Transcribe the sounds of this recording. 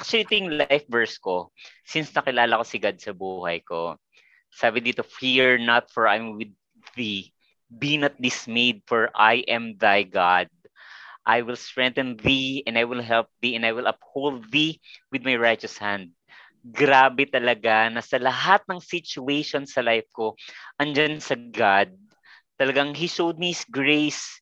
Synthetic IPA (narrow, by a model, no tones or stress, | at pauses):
ʔak̚t͡ʃʊliʔɪt̪ojʊŋlajfvɛɹskosɪnsnɐkɪlaːlɐko̞sɪɡad̪̚sɐbuːhɐ̰jko | saːbɪd̪it̪ʊfiɹnɐt̪̚fɔɹʔajmwɪd̪̚ | ði | binɐt̪̚d̪ɪsmejd̪̚fɔɹʔajʔɛmðajɡad̪̚ | ʔajwɪlst̪ɹɛ̃nt̪ɐnðiɛ̃nd̪ajwɪlɦɛlp̚ðiɛ̃nd̪ajwɪlɐphowld̪̚ðiwɪd̪majɹajt͡ʃɐshãnd̪̚ | ɡɾaːbɛt̪ɐlɐɡanɐsɐlɐɦat̪̚nɐŋsɪt͡ʃʊejʃonsɐlajfkoʔɐnd͡ʒansɐɡad̪̚ | t̪ɐlɐɡaŋɦiʃowd̪̚miɪsɡɹejs